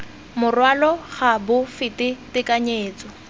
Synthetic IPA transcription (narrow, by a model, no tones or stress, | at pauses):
mʊrwalɔχabʊfɪtɪtɪkaɲeːt͡sʼɔ